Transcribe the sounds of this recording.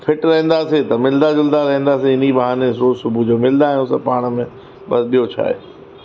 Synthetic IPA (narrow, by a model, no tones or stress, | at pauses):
fʰɪʈɾɐɦə̃nd̪aːset̪ɐmɪld̪ad͡ʑɪld̪aɾɐɦẽnd̪aːsiɪnibɐɦaːnesɾoːzsʊbʱud͡ʑoːmɪld̪ãːʊsɐpaːɽ̃əmẽ | ɓɐsɗijot͡ɕʰa̰ːḛː